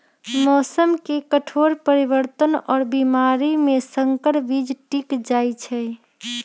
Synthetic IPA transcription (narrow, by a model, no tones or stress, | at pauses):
mɔːsəmkekəʈʰoɾpəɾibəɾt̪ənɔːɾbimaɾimẽsəŋkəɾbid͡ʒʈikd͡ʒajt͡ʃʰɛ